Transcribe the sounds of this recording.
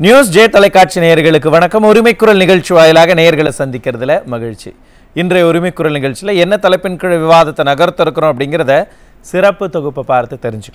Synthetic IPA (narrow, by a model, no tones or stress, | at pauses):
njuːs̬d͡ʒeːt̪ɐlɐɪkːaːʈ̚t͡ʃineːjɐɾɣɐɭɯk̬ːɯʋɐɳɐkːɐmɔɾɯmɐɪkːʊɾɐlnɪɣɐɻt͡ʃːiʋaːjɪlaːɣɐnejɐɾɣɐɭɐsɐnd̪ɪkʲːɪɾɐðɪlɐmɐɣɪɻt͡ʃḭ | ɪndrɐjɔɾɯmɐɪkːʊɾɐlnɪɣɐɭt͡ʃɪlɐɛnːɐt̪ɐlɐɪpːɪnkɯɻɐʋɪʋaːðɐt̪ːɐnɐɣɐɾt̪ːɐɾɯkːɐɾõɐp̬ːɐɽɪŋɡɪɾɐðɐ | sɪɾɐpːɯt̪ɔɣɯpːɐpːaːɾɐt̪ːɯt̪ːɛɾɪɲd͡ʒɯkː